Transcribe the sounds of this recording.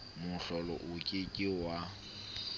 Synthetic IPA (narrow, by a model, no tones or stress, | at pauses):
mʊɬɔlɔ̰ʔʊkʼɪkʼɪwa